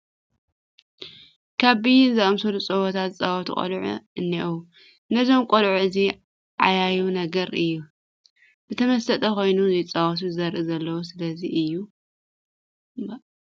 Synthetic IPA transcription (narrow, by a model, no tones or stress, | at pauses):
kʰaβbizɨɐmsod̪ut͡sʼɐwot̪ʰat̪zɨt͡sʼawɔt̪ʰṵkʼo̰lʕṵɨnːiʔu | ɨnɐzo̞mkʷʼolʕuɨzi | ʕa̰jajunɐɡɐɾɨjːu | bɨt̪ʰɐmɐst̪ɐt̪ʼɐko̞jnuzɐjt͡sʼawɔt̪ʰuzɨɐɾʔɨzɐlːɐwosɨlɐziʔɨjːu